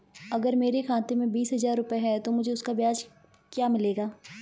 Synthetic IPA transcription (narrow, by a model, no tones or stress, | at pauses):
ɐɡəɾmeːɾexʰãːt̪emẽbiːsɦɐzaːɾːʊpeɦɛt̪omʊd͡ʒʱeʊskabjaːd͡ʒ | kjaːmɪleːɡaː